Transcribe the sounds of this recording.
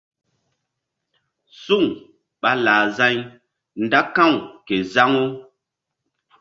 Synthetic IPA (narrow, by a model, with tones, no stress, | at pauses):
su˦˨ŋ | ɓa˦laː˨za˦ɲ | nda˦kã˦˨wke˨za˦ŋo˦